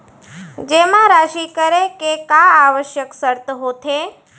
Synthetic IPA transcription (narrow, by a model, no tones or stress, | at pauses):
d͡ʒeːmãɾaːʃiːkəɾẽkekaaːʋəʃjəksəɾt̪ɦoːt̪ʰe